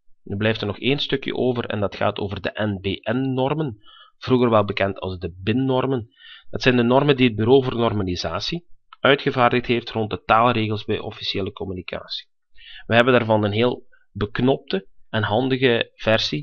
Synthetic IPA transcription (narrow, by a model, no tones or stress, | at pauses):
nyblɛjftərnɔxeːnstɵkjə̰ʔoːvərɛ̰ndɑtxa̰ːtoːvərdəʔɛnbeːʔɛnːɔrmən | v̥ruɣərʋɛlˠbəkɛntʰɑ̰lˠzdəbɪnːɔrmənd̥ɑtsɛjndənɔrməndiɦəd̚byɾoːvoːrnɔrmalizaːsiœɥtxəvaːrdəxtɦeːftrɔnt̚dətaːlˠreːɣəlˠzbɛjʔɔ̰fi̥seːləkɔmynikʰa̰ːsi̥ | ʋəɦɛbəndaːrvɑnənɦeːlˠ | bəknɔp̚təɛnɦɑndəɣəv̥ɛrsi